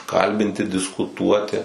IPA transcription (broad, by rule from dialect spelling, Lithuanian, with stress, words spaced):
ˈkɐlʲbʲɪnʲtʲɪ dʲɪskʊˈtuɔtʲɪ